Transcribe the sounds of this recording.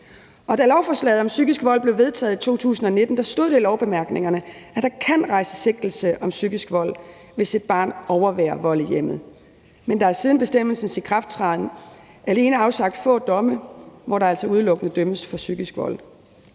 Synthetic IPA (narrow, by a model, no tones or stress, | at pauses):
ʔɒ̽d̥ælɒʊfɒ̽slɛ̰ːð̩ˠɒ̽msyɡ̥isɡ̥ʋɒ̽l̰b̥le̝ʊʋe̝ð̞ˠt͡sʰɛ̰ːð̩ˠit͡sʰo̝̰ːt͡sʰṵːsn̩ɒ̽ne̝d̥n̩d̥ɑ̈sd̥o̝ð̰ˠelɒʊb̥e̝mæɐɡ̥ne̝ŋɐnəʔæd̥ɑ̈kʰæn̰ʁɑ̈ɪsə̥se̝ɡ̥d̥l̩səʔɒ̽msyɡ̥isɡ̥ʋɒ̽l̰ | ʋe̝sid̥̚b̥ɑ̰̈ːnɒʊɐʋɛ̰ːɐʋɒ̽l̰ijem̰ð̩ˠ | mend̥ɑ̈æɐsiːð̞ˠn̩b̥e̝sd̥em̰l̩sn̩sikʰʁɑ̈fd̥t͡sʰʁɑðˠn̩ | ʔæle̝ːnəɑ̈ʊsɑ̈ɡ̥̚d̥fɔ̰̽ːd̥ɒ̽məʋɒɾɑ̈æl̰sɒuð̞ˠlɔ̽ɡ̥ənəd̥øməsfɒ̽syɡ̥isɡ̥ʋɒ̽l̰